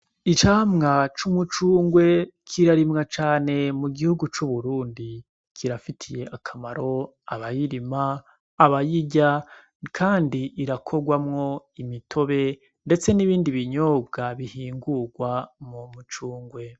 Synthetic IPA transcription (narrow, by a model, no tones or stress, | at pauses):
it͡ʃaːmŋat͡ʃumut͡ʃuːŋɡwe̞kʰiɾaɾimŋat͡ʃaːne̞muɡihuɡut͡ʃuβuɾuːndi | kʰiɾafitʰije̞ʔakʰamaɾo̞ | aβajiɾimaː | βajiɟa | kʰaːndiʔːɾakʰo̞ɡwamŋo̞ | imitʰo̞βe̞ | nde̞t͡se̞niβiːndiβiɲo̞ːbɡaβihiːŋɡuɡwamumut͡ʃuːŋɡwe̞